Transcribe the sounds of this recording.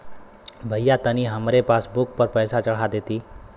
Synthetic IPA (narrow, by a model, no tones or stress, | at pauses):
bʱəjat̪əniɦəmɾepasbuk̚pəɾpəjsat͡ʃəɭ̤ad̪et̪iː